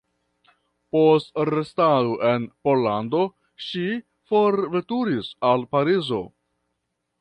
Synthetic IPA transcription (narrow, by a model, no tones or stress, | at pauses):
po̞stɾe̞stadoʔe̞npo̞lando̞ | ʃi | fo̞ɾve̞tuɾisalpaɾizo̞̰